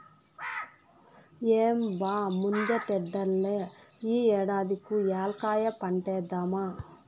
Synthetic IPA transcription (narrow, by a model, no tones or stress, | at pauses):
eːmbaːmund̪eʈɛɖːɐlːeiːɛːɽaːd̪ikujaːlkaːjɐpɐɳʈeːd̪ɐma